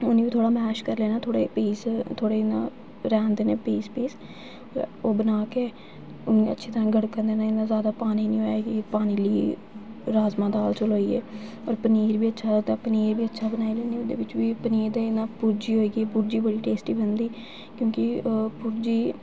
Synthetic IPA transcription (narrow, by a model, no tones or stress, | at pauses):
ʊniːʋiːt̪ʰoːɽaːmɛːʃkəɾleːnãːt̪ʰoːɽḛːpiːst̪ʰoːɽeːnã̰ː | ɾɛ̃ːnd̪eːneːpiːspiːs | oːbənaːkeː | ʊnẽə̰tːʃʰiːt̪əɾãːɡəɽkənd̪eːnaːɪnãːzjaːd̪aːpaːniːnĩːɦoːeːɡiːpaːniːliː | ɾaːzmãːd̪aːlt͡ʃʊloːiːɛ̰ː | ɔːɾpəniːɾbiːətːʃʰaːd̪apəniːɾbiːətːʃʰaːbənaːiːlẽːniːʊd̪ḛːʋɪt͡ʃʋiːpəniːɾd̪eːnãːpuɾd͡ʒiːɦoːiːɡiɛːpuɾd͡ʒiːbəɽiːʈeːsʈiːbənd̪iː | kjõːkɪpʊɾd͡ʒiː